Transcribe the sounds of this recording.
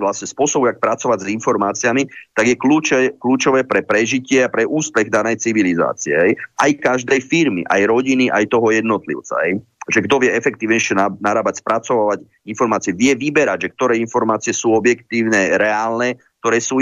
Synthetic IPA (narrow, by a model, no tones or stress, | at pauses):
ʋlasɲɛspʊɔsɔbuak̚pɾat͡sɔʋaɟzinfɔɾmaːt͡siamit̪aɡjɛkluːt͡ʃɛkluːt͡ʃɔʋɛːpɾɛpɾɛʒicɪɛapɾɛʔuːspɛɣd̪anɛjt͡siʋiliza̰ːt͡siɛ̰ɦɛjʔajkaʒd̪ɛjfiɾmḭʔa̰jɾɔɟiniʔajt̪ɔɦɔjɛd̪nɔt̪lḭʊt͡sa̰ɦɛjʒɛɡd̪ɔʋɪjɛɛfɛk̚t̪iːʋɲɛʃɪɛnanaɾaːbacspɾat͡sɔʋaːʋaɟ | infɔɾmaːt͡siɛʋɪɛʋibɛɾaɟʒɛk̚t̪ɔɾɛːinfɔɾmaːt͡siɛsuːɔbjɛkt̪iːʊnɛːɾɛaːlnɛːk̚t̪ɔɾɛːsuː